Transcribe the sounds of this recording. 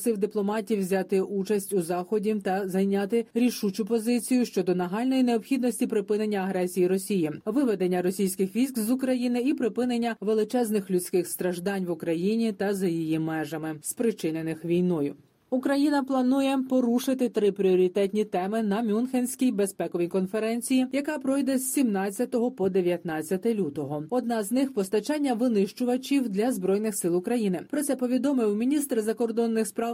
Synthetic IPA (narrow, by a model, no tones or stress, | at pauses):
sɪwd̪ɪplˠɔmɑtʲiwzʲɑt̪ɪʔut͡ʃɐsʲtʲuzɑxɔdʲit̪ɐzɐjnʲɑt̪ɪɾʲiʃut͡ʃʊpɔzɪt͡sʲijʊʃt͡ʃɔd̪ɔnɐɦɑlʲnɔjine̞ɔpxʲid̪nɔsʲtʲipɾɪpɪne̞nʲːɐːɦɾɛsʲijiɾɔsʲijiʋɪʋɛd̪e̞nʲːɐɾɔsʲijsʲkɪxʋʲijzkzʊkɾɐjinɪipɾɪpɪnenʲːɐʋe̞lˠɪt͡ʃɛznɪxlʲʊt͡sʲkɪxst̪ɾɐʒd̪ɑnʲʋʊkɾɐjinʲit̪ɐzɐjijimɛʒɐmɪspɾɪt͡ʃɪnenɪxʋʲijnɔjʊ | ukɾɐjinɐplˠɐnujɛpɔɾuʃɪt̪ɪt̪ɾɪpɾʲiɔɾʲit̪ɛt̪ʲnʲit̪ɛmɪnɐmʲunxenʲsʲkʲijbe̞spɛkɔʋʲikɔnfeɾɛnʲt͡sʲijijɐkɑpɾɔjd̪ɛzʲsʲimnɑt͡st͡sʲːɐt̪ɔɦɔpɔd̪eʋʲjɐt̪nɑt͡sʲːɐt̪ɪlʲut̪ɔɦɔɔd̪nɑznɪxpɔst̪ɐt͡ʃɑnʲːɐʋɪnɪʃt͡ʃʊʋɐt͡ʃʲiwd̪lʲɐzbɾɔjnɪxsɪlˠʊkɾɐjinɪpɾɔt̪sɛpɔʋʲid̪ɔmɪwmʲinʲist̪rzɐkɔrd̪ɔnːɪxspɾɑw